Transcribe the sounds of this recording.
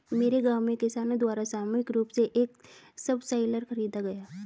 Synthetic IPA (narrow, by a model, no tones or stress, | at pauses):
meːɾeɡaːwmẽkɪsaːnõd̪waːɾasaːmuɪkɾuːpseʔeːk | sɐbsaːɪləɾxɐɾiːd̪aɡɐjaː